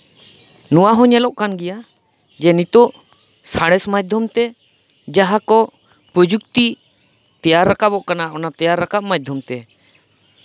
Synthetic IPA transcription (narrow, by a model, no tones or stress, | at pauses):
nɔwaɦɔ̃ɲɛlɔʔkanɡɛja | d͡ʒɛnit̪ɔʔ | saɽ̃ɛsmad͡ʒ̚d̪ʱjɔmt̪ɛ | d͡ʒaɦakɔ | pɾəd͡ʒukt̪i | t̪ɛjaɾːakabɔʔkanaʔɔnat̪ɛjaɾːakap̚mad͡ʒ̚d̪ʱjɔmt̪ɛ